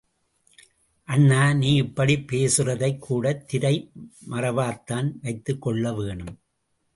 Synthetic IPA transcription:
ʔɐnːaːniːɪpːɐɽipːeːsɯrɐðɐɪkːuːɽɐt̪ːɪɾɐɪmɐrɐʋaːt̪ːaːnʋɐɪt̪ːɯkːɔɭːɐʋeːɳɯm

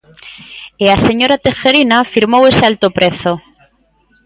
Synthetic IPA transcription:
ease̞ɲo̞ɾat̪exeɾinafiɾmowe̞sealt̪opɾe̞θo

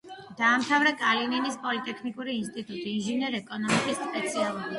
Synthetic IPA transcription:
d̪̥aːmt̪ʰavɾɛkʼalininispʼɔlit̪ʼɛkʰnikʼuɾiːnst̪ʼit̪ʼut̪ʼiːnʒinɛɾɛkʼɔnɔmikʼisspʼɛt̪sʰialˠubi

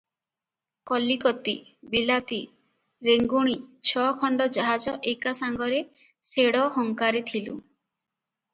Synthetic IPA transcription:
kɔlːikɔt̪ibilat̪i | ɾeŋɡuɽ̃it͡ʃʰɔkʰɔɳɖɔd͡ʒaɦad͡ʒɔʔekasaŋɡɔɾe | seɽɔɦɔŋkaɾet̪ʰilṵ

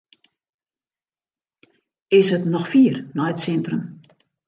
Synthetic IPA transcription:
ɪsɦətnɔxfiːərnɔjətsɛntrəm

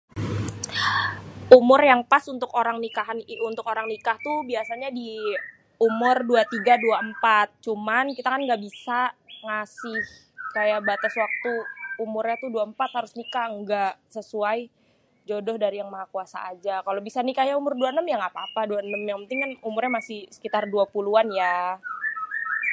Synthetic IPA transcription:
umʊrjaŋpasunt̪ʊkoɾaŋnikaɦanunt̪ʊkoɾaŋnikaht̪ubiasaɲadi | umʊrduat̪iɡaduaəmpat̪̚t͡ʃumankit̪akanŋɡaʔbisaŋasɪh | kajaʔbat̪aswak̚t̪uumʊrɲat̪uduaəmpat̪haɾʊsnikaəŋɡaʔsəsuaj | d͡ʒodɔhdaɾijaŋmaɦakuasa̰ad͡ʒakalobisanikajaumʊrduaənəmjaŋapaːpaduaənəmjaŋpənt̪ɪŋkanumʊrɲamasɪhsə̥kit̪arduapuluanja

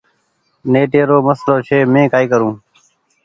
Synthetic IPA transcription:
neːʈeːɾoːməsloːt͡ʃʰeːmẽːkaːiːkəɾũː

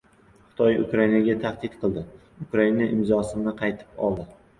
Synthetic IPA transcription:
χɨ̥t̪ʰɒjʊ̰kɾainaɡʲat̪ʰaχd̪ɪt̪qʰɨlˠd̪ɪ | ʊkɾainaʔɪmzɒsɪnɪqʰɑjt̪ʰɪ̥pɒ̰lˠd̪ɪ

